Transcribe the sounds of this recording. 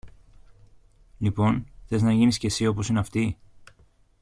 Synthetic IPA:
lipo̞nθe̞znɐʝinisce̞sio̞po̞sineɐft̪i

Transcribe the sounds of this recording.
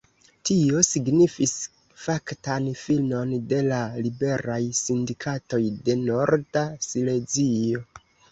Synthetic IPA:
tio̞siɡnifis | faktanfilmo̞nde̞lalibe̞ɾajsindikʰato̞jde̞no̞ɾdasile̞d͡zio̞

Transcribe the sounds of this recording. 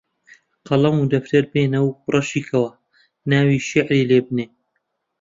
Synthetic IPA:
qɑlˠɐmud̪ɐft̪ɐɾbeːnɐwrˤɐʃiːkʰɐwɐ | naːwiːʃɪʕɾiːleːbneː

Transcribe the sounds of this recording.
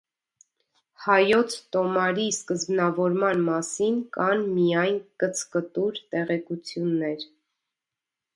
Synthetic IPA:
hɑjɔt͡sʰt̪ɔmɑɾiskəzbnɑvɔɾmɑnmɑsinkɑnmijɑjnkət͡sʰkət̪uɾt̪ɛʁɛkut͡sʰjunːɛɾ

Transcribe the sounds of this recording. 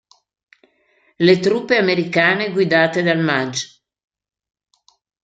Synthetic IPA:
let̪ɾupːeameɾikaːneɡwid̪aːt̪ed̪almad͡ʒ

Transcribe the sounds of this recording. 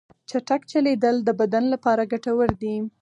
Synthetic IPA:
t͡ʃaʈakt͡ʃaled̪əld̪əbad̪anlapɑɾaɡaʈawəɾd̪i

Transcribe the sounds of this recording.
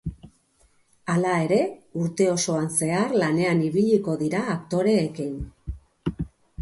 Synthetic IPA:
alae̞ɾe̞uɾt̪e̞o̞so̞anse̞aɾlane̞aniβ̞iʎiko̞ðiɾaːkt̪o̞ɾe̞ːkin

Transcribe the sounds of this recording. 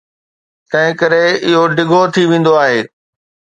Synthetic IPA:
t̪ɐ̃ɦɪ̃kɐɾeɪɦoɖɪɡʱot̪ʰiʋẽːn̆d̪oaːɦeː

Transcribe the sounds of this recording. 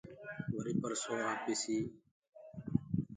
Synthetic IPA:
ʋəɾiːpəɾsoːaːbesiː

